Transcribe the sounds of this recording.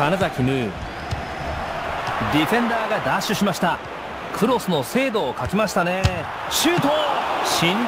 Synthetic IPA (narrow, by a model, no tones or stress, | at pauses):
anazakʲimɯ̟ | d̪ʲiɸẽ̞nd̪aːɡad̪aɕɨɕimaɕi̥t̪a | kʰɯ̟ɾo̞sɨno̞se̞ːd̪o̞ːkakʲimaɕi̥t̪ane̞ | ɕɨːt̪oːɕĩn